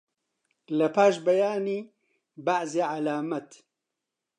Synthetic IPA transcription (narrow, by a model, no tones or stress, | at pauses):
lɐpaːʃbɐjaːni | baʕzeːʕalaːmɐt̪